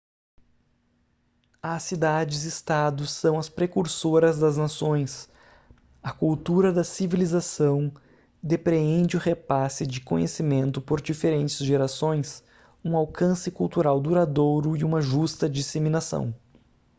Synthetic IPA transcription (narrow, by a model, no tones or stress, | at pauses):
ɐsid̪ad͡ʒɪzɪst̪ad̪ʊsːɐ̃w̃ɐspɾekuɾsoɾɐzd̪ɐznasõj̃s | ɐkuwt̪uɾɐd̪ɐsivilizasɐ̃w̃ | d̪epɾeẽnd͡ʒɪʊhepasɪd͡ʒɪkõ̰ɲesimẽnt̪ʊpoɾd͡ʒifeɾẽnt͡ʃɪzʒeɾasõj̃s | ũawkʰɐ̃sɪkuwt̪uɾawd̪uɾad̪oɾʊɪũmɐʒust̪ɐd͡ʒiseminasɐ̰̃w̃